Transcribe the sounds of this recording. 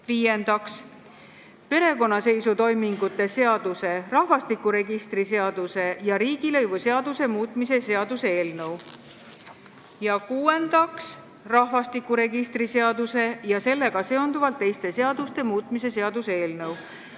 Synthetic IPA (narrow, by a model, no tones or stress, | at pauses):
viːje̞nd̪̥ɑks | pe̞ɾe̞ko̞nːɑse̞jsut̪o̞jmiŋɡ̥ut̪ːˑe̞se̞ɑd̪̥use̞rɑhvɑst̪ikːˑuɾe̞ɡist̪rise̞ɑd̪̥use̞jɑɾiːɡ̥ilɤjvuseɑd̪use̞muːt̪ˑmise̞se̞ɑd̪useeːlnɤw | jɑkuːe̞nd̪̥ɑks | rɑhvɑst̪ikːuɾe̞ɡ̥ist̪ɾise̞ɑd̪use̞jɑse̞lːe̞ɡ̥ɑse̞o̞nd̪uvɑlt̪ˑːe̞jst̪e̞seɑd̪̥ust̪e̞muːt̪ˑmise̞se̞ɑd̪useeːlnɤw